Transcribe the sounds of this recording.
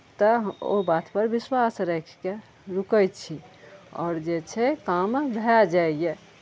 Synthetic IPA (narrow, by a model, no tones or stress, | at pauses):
t̪ɔo̰bat̪pəɾbiswasɾɛkʰke | ɾukəjt͡ʃʰiɔ̰ːɾd͡ʒet͡ʃʰɛkambʱɛd͡ʒajje